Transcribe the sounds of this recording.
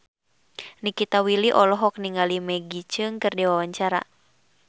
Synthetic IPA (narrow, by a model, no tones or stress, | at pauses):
nikit̪awiliʔɔlɔɦɔk̚niŋalimɛɡit͡ʃɨŋkɨrdiwawaɲt͡ʃaɾa̰